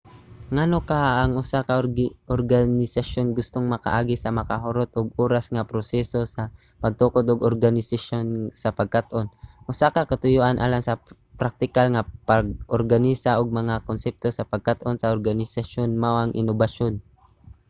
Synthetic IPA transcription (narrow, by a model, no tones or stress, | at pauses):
ŋanokaʔːŋʔʊsakaʔoɾɡanɪsaʃonɡʊst̪oŋmɐka̰ʔaːɡɪsɐmɐkaɦoɾot̪ʔoɡuːɾasŋapɾosɛsosa | pɐɡ̚t̪ukod̪ʊɡoɾɡanɪsaʃonsɐpɐɡ̚kat̪ʔonʔʊsakakɐt̪ʊjoʔanʔa̰ːlaŋsɐ | pɾak̚t̪ɪkalŋapaɡʔoɾɡanisaʔoɡ̚mɐŋakonsɛp̚t̪osɐpɐɡ̚kat̪ʔonsɐʔoɾɡanɪsaʃonmawʔɐŋʔɪ̰nobaʃon